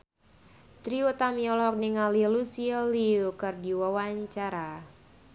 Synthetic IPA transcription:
t̪ɾiut̪amiɔlɔk̚niŋalilusiliukərdiwawaɲt͡ʃaɾa

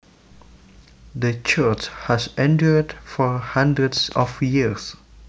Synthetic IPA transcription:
d̪ət͡ʃət͡ʃhɛsɛ̃ntədfɔhãndɹədsɔfjis

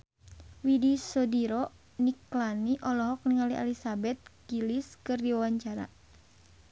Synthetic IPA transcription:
widisɔdiɾɔ | niklaniʔɔlɔɦɔk̚niŋaliʔa̰lisabɛt̪̚ɡiliskɨrdiwawaɲt͡ʃaɾa̰

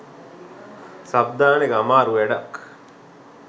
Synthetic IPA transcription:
sab̚d̪aːneɡamaːɾuʋeɖak

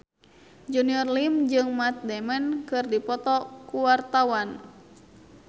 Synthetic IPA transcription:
d͡ʒuniɔrlimd͡ʒɨŋmat̪̚dɛmɛnkɨrdipɔt̪ɔkuwart̪awan

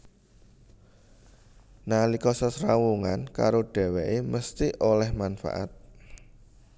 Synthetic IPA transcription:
nalikɔsəsɾawuŋanka̰ɾoɖ̥ɛ̤wɛʔeməst̪iʔolɛhmanfa̰ʔa̰t̪̚

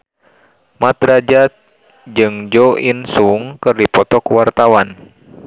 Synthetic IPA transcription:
mat̪rad͡ʒat̪̚ | d͡ʒɨŋd͡ʒɔinsuŋkɨrdipɔt̪ɔkuwart̪awan

